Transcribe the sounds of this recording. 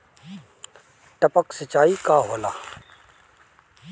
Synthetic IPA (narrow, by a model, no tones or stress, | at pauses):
ʈəpəksɪt͡ʃaːiːkaːɦoːla̰ː